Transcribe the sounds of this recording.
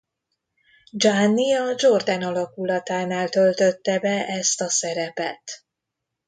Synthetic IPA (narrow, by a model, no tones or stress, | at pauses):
d͡ʒanːiɒd͡ʒo̞rd̪ɛnɒlɒkulɒt̪aːnaːlt̪ø̞lt̪ø̞t̪ːɛbɛʔɛst̪ɒsɛɾɛpɛ̰t̪